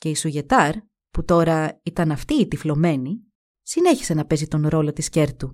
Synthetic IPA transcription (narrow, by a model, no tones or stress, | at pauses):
ce̞isuʝe̞t̪ɐɾ | put̪o̞ɾɐit̪ɐnɐft̪iːt̪iflo̞me̞ni | sine̞çi̥se̞nɐpe̞zit̪o̞nɾo̞lo̞t̪isce̞ɾt̪u